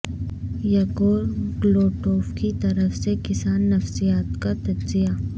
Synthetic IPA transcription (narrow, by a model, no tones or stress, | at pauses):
jɐkoːɾɡloːʈoːfkit̪ɐɾəfsekɪsaːnːɐfsijaːt̪kat̪ɐd͡ʒzija